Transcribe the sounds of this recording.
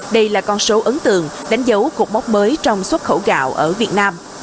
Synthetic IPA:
ɗə˧jlaː˨˩kɔ˧nso˨˦ʔə˨˦ŋt̪ɨ˨˩əŋɗa˨˦jŋ̟zə˨˦wku˨˩k͡p̚ɓa˦˥k͡p̚məː˨˦jt͡ɕɔ˧wŋ͡mswə˦˥t̚xə˧˩wɣa̰ː˧˨wʔəː˧˩vi˨˩ət̚naː˧m

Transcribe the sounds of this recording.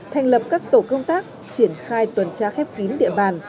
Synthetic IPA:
t̪ʰa˧jŋ̟lə˨˩p̚kaː˦˥k̚t̪o˧˩kə˧wŋ͡mt̪aː˦˥k̚ | t͡ɕi˧˩ənxaː˧jt̪wə˨˩nt͡ɕaː˧xɛ˦˥p̚ki˨˦nɗḭ˧˨əɓaː˨˩n

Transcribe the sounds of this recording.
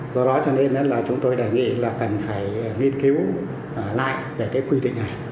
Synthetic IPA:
zɔ˧ɗɔ˨˦t͡ɕɔ˧ne˧nːe˧nlaː˨˩t͡ɕʊ˨˦ŋ͡mt̪o˧jɗə˨˩jŋḭ˧˨laː˨˩kə˨˩nfaː˧˩jŋi˧ənki˨˦w | la̰ː˧˨jve˨˩kaː˨˦jkwi˧ɗḭ̈˧˨ŋ̟ʔa˨˩jŋ

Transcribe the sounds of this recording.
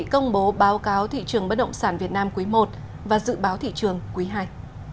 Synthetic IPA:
ḭ˧˨kə˧wŋ͡mɓo˨˦ɓaː˨˦wkaː˨˦wt̪ʰḭ˧˨t͡ɕɨ˨˩əŋɓə˦˥t̚ɗə̰˧˨wŋ͡msaː˧˩nvi˨˩ət̚naː˧mku˨˦mo˨˩t̚ | vaː˨˩zɨ̰˧˨ɓaː˨˦wt̪ʰḭ˧˨t͡ɕɨ˨˩əŋkwi˨˦ɦaː˧j

